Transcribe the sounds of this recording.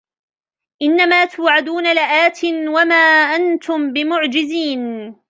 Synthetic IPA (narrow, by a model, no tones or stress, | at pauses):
ʔɪnːamaːt̪ʊːʕad̪uːnalɪʔaːt̪ʰɪnwamaːʔant̪ʊmbɪmʊʕd͡ʒɪziːn